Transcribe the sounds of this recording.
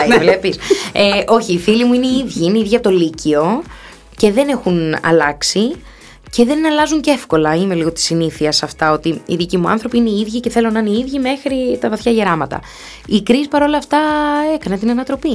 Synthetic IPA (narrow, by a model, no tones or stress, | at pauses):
vlepiseʔo̞çiːfilimuineiiðʝiineiðʝɐt̪o̞licio̞ | ce̞ðe̞ne̞xunɐ̰lɐksi | ce̞ðe̞nɐlɐzuɲce̞fko̞lɐime̞liɣo̞t̪i̥siniθiɐsɐft̪ɐo̞t̪iiðicimuɐ̰nθɾo̞piineiiðʝice̞θe̞lo̞nɐneiðʝime̞xɾit̪ɐvɐθçɐʝeɾɐmɐt̪ɐ̰ | ikɾispɐɾo̞lɐːft̪ɐe̞kɐne̞t̪inɐnɐt̪ɾo̞pi